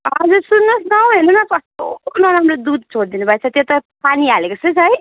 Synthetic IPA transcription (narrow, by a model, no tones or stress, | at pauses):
ʌd͡zusunːosnʌw̃ɦenonʌkʌst̪onʌɾamrod̪ud̪̚t͡sʰoɽd̪inubʱajt͡sʰʌt̪jot̪ʌpanialekosʰʌt͡sʰɦʌj